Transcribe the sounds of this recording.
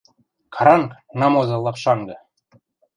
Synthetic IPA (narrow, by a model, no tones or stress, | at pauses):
kʰɑɾɑŋknɑmozɤlˠːɑqʃɑŋɡɤ̆